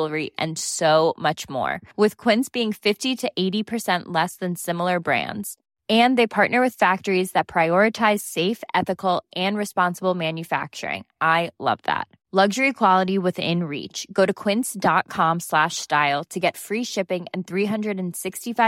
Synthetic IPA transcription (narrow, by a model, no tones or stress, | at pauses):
lˠə˞iʔɨ̰̃nsoʊmʌt͡ʃmɔ̰ɹwɨð̥kʰw̥ɪ̃nsb̥iɪ̃ŋfɪftiɾɨʔeɪɾipʰə˞sɛ̃nʔlɛsðɨ̃nsɪ̃ml̩ˠə˞bɹæ̰̃ndz̥ | ɨ̃nðeɪpʰɑɹʔⁿnə˞wɨð̥fæk̚tə˞izðɨt̚pʰɹ̥aɪɔɹɨtʰaɪz̥seɪfɛθɨkl̩ˠʔɨ̃nɹɨspɑ̃nsəbl̩ˠmæ̃njɨfæ̰k̚t͡ʃə̰˞ɪ̰̃ŋʔaɪlʌ̰vðæ̰t̚ | lʌɡʒə˞ikʰw̥ɑlˠəɾiwɪðɪ̰̃nɹḭt͡ʃɡ̥oʊɾɨkʰw̥ɪ̃nsd̥ɑt̚kʰɑ̃mslæʃstaɪlˠtʰɨɡɛtfɹiʃɪpɪ̃ŋɨ̃nθɹiɦʌ̃ndɹɨɾɨ̃nsɪkstifa